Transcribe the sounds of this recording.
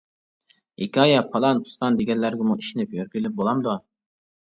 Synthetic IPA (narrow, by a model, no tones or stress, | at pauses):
ikʲʰɑjɑpʰɑlˠɑnu̥st̪ɑnd̪eɡʲɛnlæɾɡʲɛmuiʃinɪpjøɾɡʲylɪp̚bolˠɑmd̪u